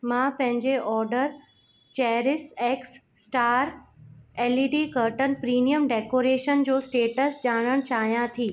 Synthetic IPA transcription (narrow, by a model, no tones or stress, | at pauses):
mãːpɐ̃ɦɪ̃ɲd͡ʑeʔɔːɾɖəɾ | t͡ɕɛːɾɪseːksː | ʈaːɾ | eːliːɖikəɾʈənpɾiːnijəmɖeːkoːɾeːʃənd͡ʑoːsʈeːʈəsd͡ʑaːɽ̃əɽ̃t͡ɕaːɦijãt̪ʰiː